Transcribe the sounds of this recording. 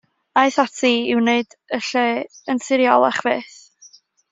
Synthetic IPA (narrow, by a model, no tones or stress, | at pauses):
aɨθatʰiɪwneɨdəɬeənsɪɾjɔlˠɛχveːθ